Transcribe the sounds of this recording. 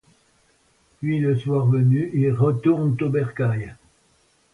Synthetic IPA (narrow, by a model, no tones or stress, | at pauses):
pɥiləswaʁvənyʔilʁət̪uʁnt̪obɛʁkaj